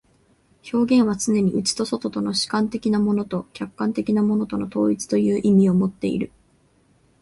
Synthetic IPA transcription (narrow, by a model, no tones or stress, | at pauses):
ço̞ːɡẽ̞ɰ̃β̞at͡sɨne̞ɲ̟iʔɯ̟t͡ɕi̥t̪o̞so̞t̪o̞t̪o̞no̞ɕi̥kãnt̪e̞kʲinamo̞no̞t̪o̞kʲakːãnt̪e̞kʲinamo̞no̞t̪o̞no̞t̪o̞ːit͡sɨ̥t̪o̞jɯ̟ːʔimʲio̞mo̞t̪ːe̞̰ḭɾɯ̟